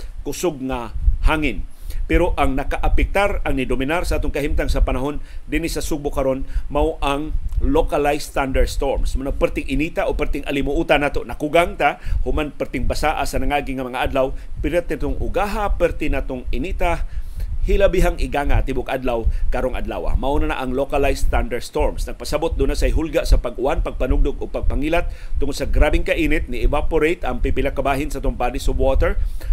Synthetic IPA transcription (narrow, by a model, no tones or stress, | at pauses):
kʊsoɡ̚ŋahaŋɪnpɛɾoʔaŋnɐkaʔapɛk̚t̪aɾaŋnɪd̪omɪnaɾsaʔaːt̪oŋkahimt̪aŋsapanaɦond̪inisasuɡ̚bʊkaɾonmawʔaŋlokalajst̪and̪ɛɾst̪oɹmsmanopɛɾt̪ɪŋʔɪnit̪aʔopɛɾt̪ɪŋʔa̰lɪmʊʔut̪anat̪oʔnakuɡaŋt̪ahʊmanpɛɾt̪ɪŋbasaʔa̰sanɐŋaɡɪŋɐmɐŋaʔad̪lawpɪɾɛt̪ɪt̪oŋʔʊɡaɦapɛɾt̪ɪnat̪oŋɪnit̪a | hɪlabiɦaŋɪɡaːŋat̪ɪbʊɡʔad̪lawkaɾoŋʔa̰d̪la̰ːwa̰maʔonana̰ʔɐŋlokalajst̪and̪ɐɹdst̪oɹmsnɐɡ̚pasabʊt̪̚d̪ʊnasajɦʊlɡaʔsɐpɐɡʊʔanpɐɡ̚panʊɡ̚d̪ʊɡoɡ̚pɐɡ̚paŋiːlat̪̚ːʊŋod̪̥̚sɐɡɾaːbɪŋkɐʔiːnɪt̪̚nɪɛvapʊɾejt̪ɐŋpipɪlakabaːɦɪnsaʔat̪ʊŋpad̪ɪsobwot̪ɛɹ